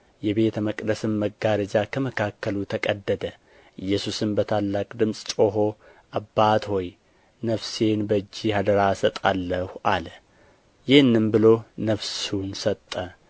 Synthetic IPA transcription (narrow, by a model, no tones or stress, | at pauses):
jɛbe̞t̪ʰəməkʼd̪əsɨmːəɡaɾəd͡ʒakʰəməkʰakːəlut̪ʰəkʼəd̪ːəd̪ə | ʔɨjːɛsusɨmbət̪ʰalːakʼd̪ɨmsʼt͡ʃʼo̞ɦo̞ʔabːat̪ho̞j | nəfse̞nbəd͡ʒːihad̪əɾasət̪ʼalːəhuʔalə | jɪhɨnːɨmbɨlo̞nəfsunsət̪ʼːə